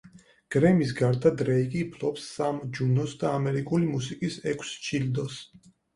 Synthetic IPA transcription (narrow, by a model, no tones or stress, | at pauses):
ɡ̥ɾɛmis̬ɡaɾd̪ad̪ɾɛikʼiːpʰlɔpsːamd͡ʒunɔsd̪aːmɛɾikʼulimusikʼisɛkʷʰst͡ʃʰild̪ɔs